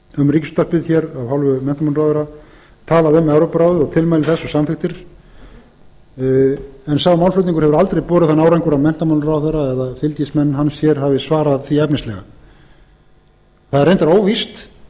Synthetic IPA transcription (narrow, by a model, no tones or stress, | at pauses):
ʏmriːcɪst̪aspɪðçɛɾavhalvʏmɛn̥t̪amanrawðʏɾa | t̪ʰaːlaðʏmɛwɾowpɾawðʏðɔɣt̪ʰɪlmajlɪθɛsːɔsamfɪxt̪ɪɾ̥ | ɛnsawmawlflʏɥt̪niŋkʏ̥hɛvʏɾalt̪ɾejpɔːɾɪʏðθanaːwɾajŋkʏɾawmɛn̥t̪amanrawðʏɾaɛðafɪlt̪jismɛnːɦanːsjɛɾ̥havɪsvaːɾaðθiɛpnɪst̪lɛ̰ɣa̰ | θaðɛɾrejnt̪aɾoːwvist̪